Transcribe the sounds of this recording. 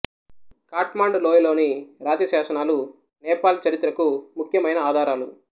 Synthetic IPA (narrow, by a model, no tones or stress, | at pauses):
kaːʈmaːɳɖloːjlo̞ːniɾaːt̪iɐsaːʃɐnaːlu | nɛːpaːlt͡ʃɐɾit̪ːɾɐkumukʰjɐmɐjnɐaːd̪ʱaːɾaːlu